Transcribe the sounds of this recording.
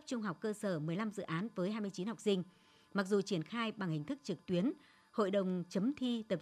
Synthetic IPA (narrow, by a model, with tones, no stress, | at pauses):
p̚t͡ɕʊ˧ŋ͡mɦa˨˩wk͡p̚kːəː˧səː˧˩mɨ˨˩əjla˧mzɨ̰˧˨ʔaː˨˦nvəː˨˦jɦaː˧jmɨ˧ət͡ɕi˨˦nha˨˩wk͡p̚sï˧ŋ̟ | ma˨˩k̚zu˨˩t͡ɕi˧˩ənxaː˧jɓa˨˩ŋhï˨˩ŋ̟t̪ʰɨ˦˥k̚t͡ɕɨ˨˩k̚t̪wi˨˦ən | ho̰˧˨jɗə˨˩wŋ͡mt͡ɕə˨˦mt̪ʰi˧t̪ə˨˩p̚